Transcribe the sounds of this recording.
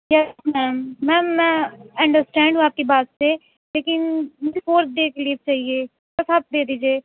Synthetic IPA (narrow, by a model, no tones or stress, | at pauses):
jɛsmɛːmːɛ̃ːmːɛ̃ːɐ̃ɳɖəɾsʈɛ̃ːɳɖɦũaːp̚kiːbaːt̪seː | leːkɪnmʊd͡ʒefʰoːɾd̪eːkʰliːp̚t͡ʃaːɦieː | əsaːp̚d̪eːd̪iːd͡ʒieː